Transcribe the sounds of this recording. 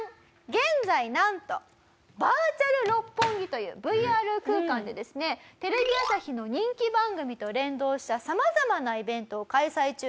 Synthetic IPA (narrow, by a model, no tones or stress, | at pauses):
ɡẽ̞nd͡zainãnt̪o̞̰ | baːt͡ɕaɾɯ̟ɾo̞pːõ̞ŋɡʲit̪o̞jɯ̟̰ːbɯ̟iaːɾɯ̟kɯ̟ːkãnd̪e̞d̪e̞sɨne̞t̪e̞ɾe̞bʲiasaçʲino̞ɲ̟ĩŋkʲibãŋɡɯ̟mʲit̪o̞ɾẽ̞nd̪o̞ːɕi̥t̪asamazamanaibẽ̞nt̪o̞ːkaisait͡ɕɨ